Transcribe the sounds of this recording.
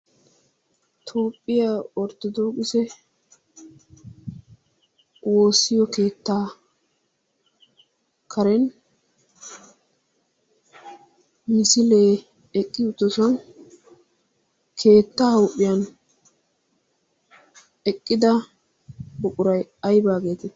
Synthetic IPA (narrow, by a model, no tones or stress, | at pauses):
t̪ʰo̞ːpʼːɪjaɔɾt̪ɔd̪oːkʼɪsɛ | wo̞ːsːɪjɔke̞ːt̪ːaː | kʰɐɾɛn | mɪsɪleː | ɛkʼːɪʊt̪ːɔsɔn | kʰe̞ːt̪ːahɐwʊpʼːɪjɐn | ɛkʼːɪd̪ɐ | bʊkʼʊɾɐjɐjbaːɡe̞ːt̪ɛ